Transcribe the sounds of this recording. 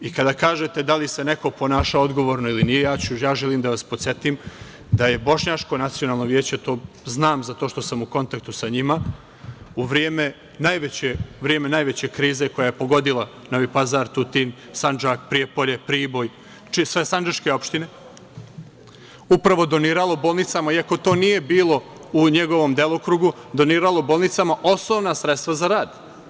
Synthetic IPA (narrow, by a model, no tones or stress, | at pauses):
ikad̪akaːʒe̞t̪e̞d̪alise̞ne̞ko̞po̞naːʃaoo̞d̪ɡo̞ʋo̞ɾno̞ilinije̞jaːt͡ɕujaːʒeliːmd̪aʋaspot̪sʲe̞t̪im | d̪aje̞bo̞ʃɲat͡ʂko̞nat̪sijo̞naːlˠno̞ʋjeːt͡ɕe̞t̪o̞ː | znaːmzat̪o̞ːʃt̪o̞samuko̞nt̪ak̚t̪usaɲima | uʋɾijeːme̞ | najʋet͡ɕeʋɾijeːme̞najʋe̞t͡ɕe̞kɾiːze̞ko̞jaje̞po̞ɡo̞d̪ilˠa | noʋipazaɾt̪ut̪in | sand͡ʒak̚pɾiepoʎe̞pɾiːbo̞j | t͡ʃisʋe̞sand͡ʒaʃke̞o̞pʃt̪ine̞ | upɾaʋo̞d̪o̞niːɾalˠoboːlˠnit̪samaiako̞t̪o̞ːnije̞biːlˠo̞uɲeɡo̞ʋo̞md̪elˠokɾuɡud̪o̞niːɾalˠobo̞ːlˠnit̪samaʔo̞snoːʋnasɾet̪st̪ʋazaɾaːd̪